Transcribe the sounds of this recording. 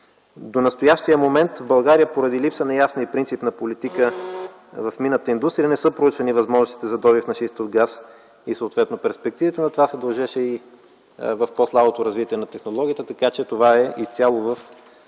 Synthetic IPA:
d̪onɐst̪ojaʃt̪ijəmomɛnt̪vbɐlˠɡaɾijəpoɾɐd̪ilipsənɐjasnəipɾint̪sipnɐpolit̪ikə | vɐfminət̪əind̪ust̪ɾiənɛsɤpɾout͡ʃvɐnivɐzmɔʒnost̪i̥t̪ɛzɐd̪ɔβifnɐʃist̪ofɡas | isəot̪vɛt̪nopɛɾspɛk̚t̪ivit̪ənɐt̪ovasɛd̪ɐlˠʒɛʃɛi | vɐfposlˠabot̪oɾɐzvit̪ʲiɛnɐt̪ɛxnolˠɔɡʲiət̪ət̪ɐkat͡ʃɛt̪ovaɛʔist̪ʲalˠovəf

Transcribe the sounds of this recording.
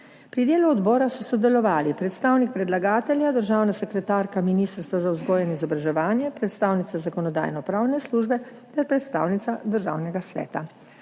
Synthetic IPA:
pɾid̪eːluɔd̪bɔːɾasɔsɔd̪ɛlɔʋaːlipɾɛt̪st̪aːwnik̚pɾɛd̪laɡaːt̪ɛlʲjad̪əɾʒaːwnasɛkɾɛt̪aːɾkaminiːst̪əɾst̪ʋazawzɡɔːjɛnizɔbɾaʒɛʋaːnjɛpɾɛt̪st̪aːwnit̪sazakɔnɔd̪a̰ːjnɔpɾaːwnɛsluːʒbɛ | t̪ɛɾpɾɛt̪st̪a̰ːwnit̪sad̪əɾʒa̰ːwnɛɡasʋɛ̰ːt̪a

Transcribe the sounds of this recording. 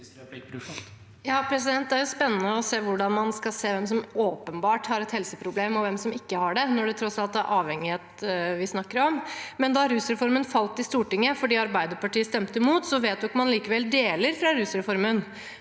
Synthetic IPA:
jɑːpʰɾɛs̬ɪd̪ɛnt̪̚d̪ɛæɾjʊspɛnːənəɔseːʋʊɖɑnmɑnskɑseːʋɛmsɔmoːpənbɑːʈhɑɾɛt̪hɛlsəpʰɾʊbleːmɔʋɛmsɔmɪkːəhɑɖɛnɔɖɛt̪ʰɾɔsɑlt̪æɾʔɑːʋhɛŋːɪheːt̪ʋɪsnɑkːəɾɔmmɛnd̪ɑɾʉːsɾɛfɔɾmənfɑlt̪ɪst̪uːʈɪŋːəfɔɖiːɑɾbæɪd̪əɾpɑʈiːəst̪ɛmt̪əɪmuːt̪sɔʋeːt̪̚d̪ʉɔkmɑnliːkəʋɛld̪eːləɾfɾɑɾʉːsɾɛfɔɾmən

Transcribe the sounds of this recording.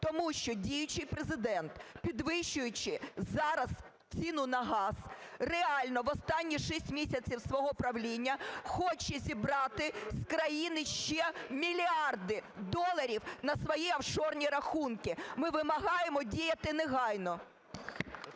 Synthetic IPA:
t̪ɔmuʃt͡ʃɔdʲijʊt͡ʃɪjpɾezɪd̪ɛnt̪pʲid̪ʋɪʃt͡ʃʊjʊt͡ʃɪzɑɾɐz | t͡sʲinʊnɐɦɑz̥reɑlʲnɔʋɔst̪ɑnʲːiʃisʲtʲmʲisʲɐt͡sʲiwsʋɔɦɔpɾɐʋlʲinʲːɐxɔt͡ʃɛzʲibɾɑt̪ɪskɾɐjinɪʃt͡ʃɛmʲilʲiɑrd̪ɪd̪ɔlˠɐɾʲiwnɐsʋɔjiɐwʃɔrnʲiɾɐxunkɪmɪʋɪmɐɦɑjemɔdʲijɐt̪ɪneɦɑjnɔ

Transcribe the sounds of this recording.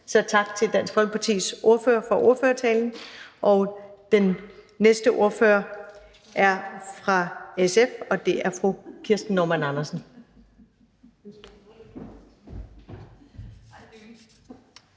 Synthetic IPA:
sɒ̽t͡sʰɑ̈ɡ̥t͡sʰe̝ld̥æn̰sɡ̥hɒlpʰɑ̈t͡sʰḭːsʔo̝ɐføːɐfɒ̽ʔo̝ɐføːɐt͡sʰɛːln̩ʔɒ̽d̥enː | esd̥əʔo̝ɐfø̰ɐ | ʔæɐfʁɑ̈esefɒ̽d̥e̝æɐfʁukʰiɐsd̥n̩nːɒmænɑnɐsn̩

